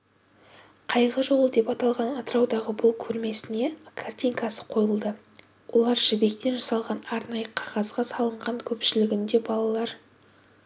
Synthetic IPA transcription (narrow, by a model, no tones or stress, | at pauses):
qʰɑjʁəʒo̞lˠəd̪e̞pɑt̪ɑlˠʁɑnɑt̪əɾɑwd̪ɑʁəbʊlˠkʲʰɵɾme̞sɪne̞kʰart̪ʲijŋkɑsə̥qʰo̞jəlˠd̪ə | wʔo̞lˠɑɾʒɪbe̞kt̪e̞nʒɑsɑlˠʁɑnɑɾnɑjəqʰɑʁɑzʁɑsɑlˠəɴʁɑŋkʲʰɵpʃɪlɪɡʲɪnd̪e̞bɑlˠɑlˠɑɾ